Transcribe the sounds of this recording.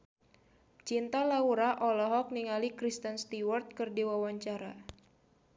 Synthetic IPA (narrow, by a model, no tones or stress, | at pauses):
t͡ʃint̪alauɾaʔɔlɔɦɔk̚niŋalikɾist̪ənst̪iwart̪̚kɨrdiwawaɲt͡ʃaɾa